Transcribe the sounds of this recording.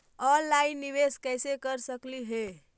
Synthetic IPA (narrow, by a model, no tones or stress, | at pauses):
əlainiʋeskəjsekəɾsəkliɦe